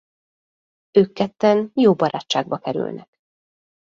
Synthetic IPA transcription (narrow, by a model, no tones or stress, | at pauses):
øːkːɛt̪ːɛnjoːbɒɾa̰ːt͡ʃːaːɡ̚bɒkɛɾy̰lnɛ̰k